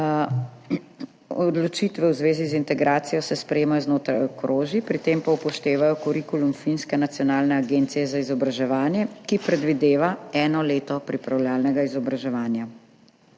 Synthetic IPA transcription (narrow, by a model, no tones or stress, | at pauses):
ɔd̪lɔt͡ʃit̪ʋɛwzʋeːzizint̪ɛɡɾaːt̪sijɔsɛspɾɛjeːmajɔznoːt̪ɾajɔkɾʔoːʒipɾit̪eːmpaupɔʃt̪eːʋajɔkɔɾikulumfinskɛnat̪sjɔnaːlnɛaɡent̪sijɛzaizɔbɾaʒɛʋaːnjɛkipɾɛd̪ʋid̪eːʋaɛːnɔleːt̪ɔpɾipɾawlaːlnɛɡaizɔbɾaʒɛʋaːnja